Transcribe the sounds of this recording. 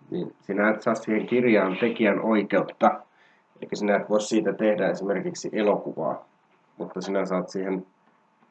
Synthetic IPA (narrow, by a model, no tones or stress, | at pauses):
nḭːnsinææt̪sɑːt̪siːheŋkirjɑːnt̪ekiænʔoikeut̪ːɑ | elikːˑæsinæet̪ʋoˑissiːt̪æt̪ehdæesimerkiksiʔelokuʋɑ̰ː | mut̪ːɑsinæsɑːt̪siːhen